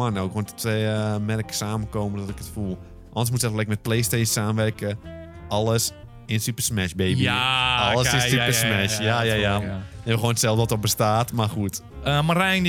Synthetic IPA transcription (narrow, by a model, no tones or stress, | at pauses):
anoːkʋontɔtɛəmɛrkə̥saːməkoːməndɔtɪkə̥tfulˠ | ʔɔ̰ndəs̬mutsɛlɛɪkmɛt̚pleːsteːssaːməʋɛrkə | ɔlˠəs | ɪnənsypərsmɛʃbeːbiɔləsɪnsypəsmɛʃjajajaɛbəxoːnətsɛlˠfdəɔtɔbəstaːtmaxut | əmarɛjŋ